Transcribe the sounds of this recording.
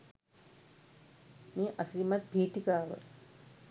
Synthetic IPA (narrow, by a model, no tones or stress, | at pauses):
meːʔasiimat̪̚bʱiːʈikaːʋə̰